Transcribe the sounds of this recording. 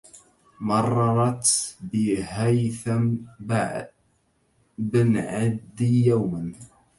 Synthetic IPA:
mɑrˤːɑɾˤɑt̪bɪhajθa | bɪnʕad̪ːijawman

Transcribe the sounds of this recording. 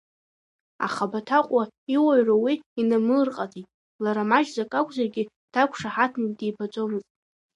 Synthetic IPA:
a̰χabatʰaqʷʼaiwaɥrawiinamɨrqʼatʰitʼ | laɾamaʒzakʼakʷʰʼzarɡʲɪ | d̥ʰakʷʰʂaħatʰnidejbat͡sʼo̞mɨztʼ

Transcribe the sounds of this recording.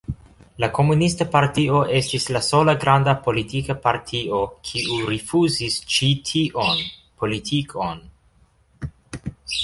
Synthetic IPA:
lako̞munistapaɾtio̞ʔe̞stislaso̞laɡɾandapo̞litikapaɾtʰio̞kʰiuɾifuzist͡ʃitʰiʔonpo̞litʰikʰon

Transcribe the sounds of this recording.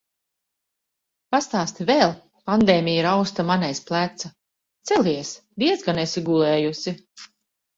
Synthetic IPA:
past̪aːst̪ivɛːlˠ | pand̪eːmʲijiɾawst̪amanɛjsplˠæt̪sa | t̪sɛlʲiɛs | d̪iɛzɡanesiɡulˠɛːjusi

